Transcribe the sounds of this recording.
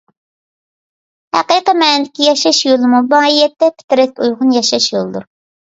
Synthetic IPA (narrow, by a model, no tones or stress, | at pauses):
hæ̰qiqəmɛːnɪd̪ɪkʲijɑʃɑʃjolˠmubɑijɛt̪ːɛpʰɪ̥t̪ɪɾɛt̪ujʁʊnjɑʃɑʃjolˠd̪uɾ